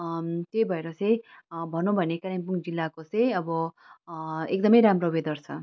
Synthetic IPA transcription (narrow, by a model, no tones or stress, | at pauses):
t̪ejbʱʌeɾʌt͡sʌj̃bʱʌnobʱʌnekaɾimpuŋd͡zilːakot͡sʌ̃j̃ʌbʌ | ekd̪ʌmʌjɾamroubed̪ʌrt͡sʰʌ